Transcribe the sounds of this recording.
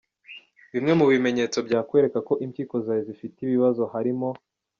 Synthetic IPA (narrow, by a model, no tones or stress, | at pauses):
βimŋe̞muβime̞ɲe̞ːt͡so̞bɟaːkwe̞ːɾe̞kako̞ʔimciːko̞zaːjezifitiβiβazo̞haɾimo̞